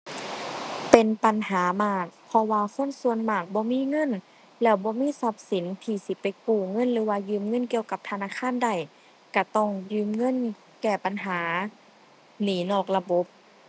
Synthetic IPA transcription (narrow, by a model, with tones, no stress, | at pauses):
pe˨npa˨nɦaː˨˦maː˧˩k̚pʰɔ˧waː˧kʰo˧˥˨nsu˧ənmaː˧˩k̚bɔː˧˦miː˧˥˨ŋɤ˧˥˨n | lɛː˧˩wbɔː˧˦miː˧˥˨sa˧˦p̚si˨˦nt̪ʰiː˧˩si˧˦pa˨jkuː˧˩ŋɤ˧˥˨nlɯː˨˦waː˧jɯː˧˨mŋɤ˧˥˨nki˧əwka˧˦p̚t̪ʰa˧naː˧˥˨kʰaː˧˥˨nda˧˩j | ka˧˩t̪ɔ˧˩ŋjɯː˧˨mŋɤ˧˥˨n | kɛː˧˩pa˨nɦaː˩˦ | niː˨˩˦nɔː˧˩k̚la˧bo˧˦p̚